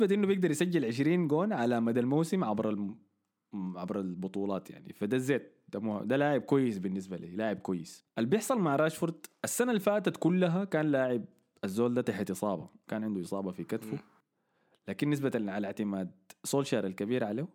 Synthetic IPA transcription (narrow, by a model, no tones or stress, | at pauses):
ɪsbaʔinːubjɪɡ̚d̪ɑɾˤjɪsad͡ʒːɪlʕɪʃ̬ɾiːnɡoːnʕalamad̪almawsɪmʕabɾˤal | ʕabɾˤɑlbʊt̪ˤuːlɑːt̪ja̰ʕnḭfad̪azːeːt̪̚d̪amuːha̰d̪alaːʕɪb̚kwajːɪsbɪnːɪs̬balḭːlaːʕɪb̚kwajːɪsʔalbjɪħsˤɑlmaʕɾˤɑːʃfʊɾˤd̪ʔasːanalfaːt̪at̪kulːaɦakaːnlaːʕɪb̚ | azːoːld̪aːt̪aħat̪ʔɨsˤɑːbɑ̰kaːnʕɪnd̪uʔɨsˤɑːbɑfikat̪fu | laːkinːɪs̬bat̪aʕalɪʕt̪ɪmaːd̪̚soːlʃaɾalkabiːɾʕaleː